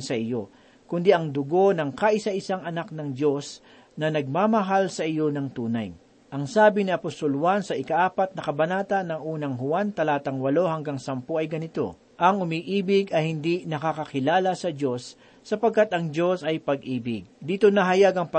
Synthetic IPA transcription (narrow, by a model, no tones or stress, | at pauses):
sɐʔɪjo̞ | kʊnd̪iʔɐŋd̪ʊɡo̞nɐŋkaʔɪsaʔɪsaŋɐnak̚nɐŋd͡ʒo̞s | nɐnɐɡ̚mamɐɦalsɐʔɪjo̞nɐŋt̪uːnɐ̰j | ʔɐŋsaːbɪniɐpost̪o̞lhwansɐʔɪkɐʔaːpɐt̪̚nɐkɐbɐnaːt̪ɐnɐŋʔuːnɐŋɦʊant̪ɐlaːt̪ɐŋwɐlo̞hɐŋɡaŋsɐmpoɐjɡɐnɪt̪o̞̰ | ʔɐŋʊmiʔiːbɪɡɐjhɪnd̪inɐkakɐkɪlaːlɐsɐd͡ʒo̞sː | ɐpɐɡ̚kːat̪ʔɐŋd͡ʒo̞sɐjpɐɡʔiːbɪɡ̚d̪iːt̪o̞nɐɦɐjaɡɐŋpɐ